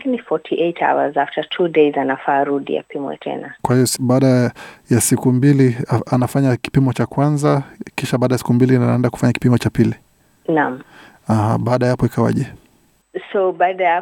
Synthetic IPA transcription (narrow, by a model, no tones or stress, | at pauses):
kinifɔtʰiʔejtʰa̰wa̰zaftatʰudezanafaːɾuɗḭa̰pimwɛ̰tʰɛ̰nakwahijɔsɓaːɗajasikumbilianafaɲaki̥pimɔt͡ʃakwanzakiʃaɓaːɗajasi̥kumbiliaaɛndaku̥faɲaki̥pimɔt͡ʃapili | nãm | aha̰ɓaːɗajapɔikawa̰ʄɛ | sobaːɗaja